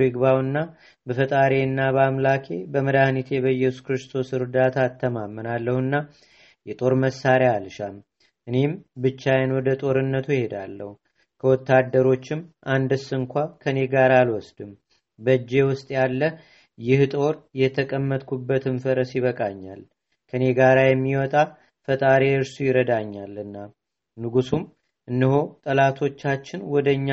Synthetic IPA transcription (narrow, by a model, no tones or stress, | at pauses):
ɪɡbawɨnːa | bəfət̪ʼaɾe̞nːaβamlakʰe̞bəməd̪ahnit̪ʰɛβəjɛsu̥kɾɨst̪ʰo̞sɨɾd̪at̪ʰaːt̪ʰːəmamːənalːəhɨnːa | jɛt̪ʼo̞ɾməsːaɾjalʃam | ʔɨne̞mbɨt͡ʃːajɛnwɔd̪ət̪ʼo̞ɾɨnːət̪ʰujhe̞d̪a̰lːə̰hu | kʰəwɔt̪ːad̪ːəɾo̞t͡ʃːɪmʔand̪ɨsɨŋkʷakʰəne̞ɡaɾalwɔsd̪ɨm | bəd͡ʒːe̞wʊst̪ʼjalːə | jɪht̪ʼo̞ɾjɛt̪ʰəkʼəmːət̪ʼkʰubːət̪ʰɨnfəɾəsjɪβəkʼaɲːa̰l | kʰəne̞ɡaɾajɛmːiwɔt̪ʼa | fət̪ʼaɾeɨɾsujɪɾəd̪aɲːalɨnːa | nɨɡusum | ʔɨnːɨɦo̞t̪ʼəlat̪ʰo̞t͡ʃːat͡ʃːɪnwɔd̪əɲːa